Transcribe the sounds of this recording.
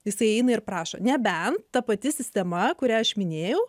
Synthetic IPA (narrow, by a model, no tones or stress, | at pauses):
jɪsɐɪɛɪnɐɪɾpɾɑːʃo̰nʲɛbʲɛnt̪t̪ɐpɐt̪ʲɪsʲɪsʲt̪ʲɛmɐkʊɾʲæɐʃmʲɪnʲeːjɛʊ